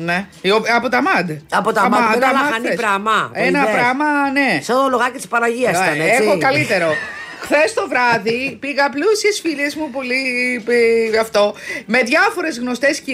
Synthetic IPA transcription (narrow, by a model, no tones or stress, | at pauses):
ne | oɐpot̪ɐmɐd̪ɐpot̪ɐɐmɐɐɐɐneɾɐmɐenɐpɾɐmɐne̞sot̪oloɣɐcessi̥spɐɾɐʝiɐsɐeexokɐlit̪e̞ɾo̞ | xθest̪o̞vɾɐðipiɣɐːplusiesfiʎezmupo̞lipɐft̪o̞me̞ðʝɐfo̞ɾe̞zɣno̞st̪e̞sci